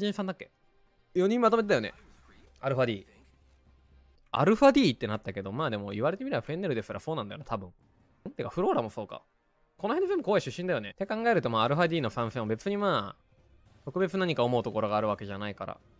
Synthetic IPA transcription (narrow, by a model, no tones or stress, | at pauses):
ʑĩɰ̃sãnd̪akʲːe̞̰ | jo̞ɲ̟ĩmmat̪omet̪ejo̞ne̞̰ | aɾɯ̟ɸad̪ʲiː | a̰ɾɯ̟ɸad̪ʲiːt̪ːe̞nat̪ːake̞d̪o̞maːd̪e̞mo̞iβaɾe̞t̪e̞mʲiɾeaɸɯ̟e̞neɾɯ̟d̪est̪aɾasoːnãnd̪ajo̰nḁt̪abɯ̟̃ɴ | t̪ːekaɸɯ̟ɾo̞ːɾamoso̞ːka̰ | ko̞noenoze̞mbɯkoːeɕɨɕːĩnd̪ajo̞net̪e̞kãŋɡae̞ɾɯ̟t̪o̞maːɾɯ̟ɸad̪ʲiːno̞ɸãɰ̃sẽobe̞t͡sɨɲ̟imaː | t̪o̞kɯ̟be̞t͡sɨnaɲ̟ikao̞mo̞ɯ̟t̪o̞ko̞ɾo̞ɡaːɾɯ̟βake̞ʑanaikaɾa̰